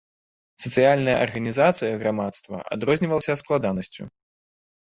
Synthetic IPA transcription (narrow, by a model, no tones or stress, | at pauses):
sɐt̪sɨjalʲnɐjɐ̰ʔɐ̰rɣɐnʲizat̪sɨjɐɣɾamat̪st̪vɐ̰ʔa̰d̪ɾɔzʲnʲivɐlˠɐsʲɐsklˠad̪anɐsʲt͡sʲṵ